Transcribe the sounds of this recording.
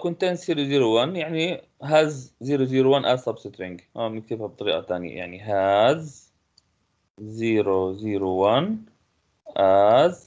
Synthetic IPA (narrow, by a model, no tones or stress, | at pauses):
kʊnt̪ensiːɾoziːɾowanjaʕni | ɦaːzziːɾoziːɾowanʔazɑbsɪt̪ɾɪŋɡmamɪk̚t̪iːbab̚t̪ˤɑɾḭːʔa̰t̪aːnja̰ja̰ʕniɦaz | ziːɾoziːɾowan | ʔaz